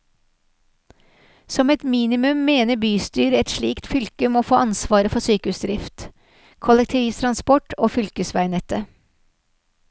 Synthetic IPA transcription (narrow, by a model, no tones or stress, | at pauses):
sɔmɛt̪miːnɪmʉmːeːnəbyːst̪yːɾɛt̪ʃɭiːkt̪fʏlkəmoːfoːɑnsʋɑːɾəfɔsyːkəʉsd̪ɾɪft̪ | kʰʊlɛk̚t̪ʰɪʋiːst̪ʰɾɑnspɔʈʰoːfʏlkəsʋæɪnɛt̪ə